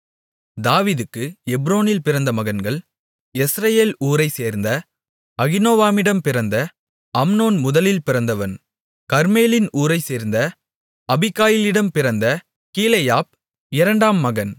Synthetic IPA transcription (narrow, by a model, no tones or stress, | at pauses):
d̪aːʋiːðɯkːɯɛbɾoːnɪlpɪɾɐnd̪ɐmɐɣɐnɡɐɭ | ɛsɾɐjeːluːɾɐɪseːɾnd̪ɐ | ɐɣɪnoːʋaːmɪɽɐmpɪɾɐnd̪ɐ | ɐmnoːnmʊðɐlɪlpɪɾɐnd̪ɐʋɐn | kɐɾmeːlɪnuːɾɐɪseːɾnd̪ɐ | ɐbɪkːaːjɪlɪɽɐmpɪɾɐnd̪ɐ | kiːlɐjaːp̚ | ɪɾɐɳɖaːmːɐɣɐn